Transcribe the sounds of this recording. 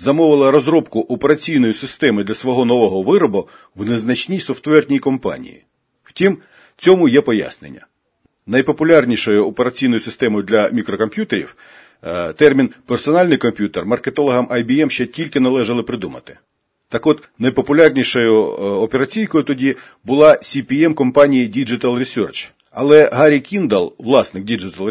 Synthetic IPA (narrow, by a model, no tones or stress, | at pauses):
zɐmɔʋɪlˠɐɾɔzɾɔbkʊʔɔpeɾɐt͡sʲijnɔjʊsɪst̪ɛmɪd̪lʲɐsʋɔɦɔnɔʋɔɦɔʋɪɾɔbʊ | wneznɐt͡ʃnʲisɔft̪ʋɛrtnʲijikɔmpɑ̰nʲḭjḭ | wtʲim | t͡sʲɔmʊjɛpɔja̰snḛnʲːɐ̰ | nɐjpɔpʊlʲɑrnʲiʃɔjʊɔpeɾɐt͡sʲijn̪ɔjʊsɪst̪ɛmɔjʊd̪lʲɐmʲikɾɔkɔmpʲjut̪eɾʲḭw | t̪ɛrmʲinpersɔnɑlʲnɪjkɔmpʲjut̪ermɐrket̪ɔlˠɔɦɐmʔɐjbʲiɛmʃt͡ʃɛtʲilʲkɪnɐlˠɛʒɐlˠɪpɾɪd̪umɐt̪ɪ̥ | t̪ɑkɔt̪ | nɐjpɔpʊlʲɑrnʲiʃɔjʊɔpeɾɐt͡sʲijkɔjʊt̪ɔdʲi | bʊlˠɑsʲipʲiɛmkɔmpɑnʲijidʲid͡ʒɪt̪ɐlˠrʲisʲɔrt͡ʃ | ɐ̰lˠɛɦɑɾʲikʲind̪ɐlˠʋlˠɑsnɪk̚dʲid͡ʒɪt̪ɐlˠ